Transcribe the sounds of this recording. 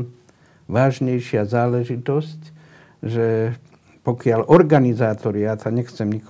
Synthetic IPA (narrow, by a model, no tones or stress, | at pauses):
ʋaːʒɲɛjʃɪazaːlɛʒit̪ɔsc | ʒɛ | pɔkɪalʔɔɾɡanizaːt̪ɔɾɪat̪aɲɛxt͡sɛmɲik